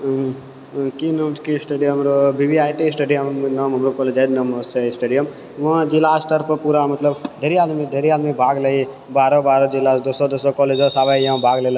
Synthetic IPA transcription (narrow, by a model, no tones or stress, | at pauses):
kinəmkisʈeɖijɦmɾobibiaːjʈisʈeɖijəmnəmɦɐmɾokɔːleːd͡ʒed͡ʒ̪nəmosesʈeːɖijəm | ʋãːd͡ʒilaːsʈəɾpəpuɾamɐt̪ləbd̪ʱeɾiaːd̪mid̪ʱeɾiaːd̪mibʱaːɡlei | baːɾobaːɾod͡ʒilaːsd̪osod̪osokɔːled͡ʒosaːʋajjãbʱaːɡlela